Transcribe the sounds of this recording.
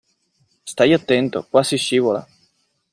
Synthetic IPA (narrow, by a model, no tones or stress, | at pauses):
st̪ajat̪ːɛnt̪o̰kwasiʃːiːvola̰